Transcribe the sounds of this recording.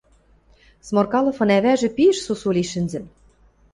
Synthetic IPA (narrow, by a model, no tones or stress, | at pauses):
smorkɑlˠɤ̆fɤ̆næβæʒɘ̆piɘ̆ʃsusulʲiʃɘ̆nzɘ̆m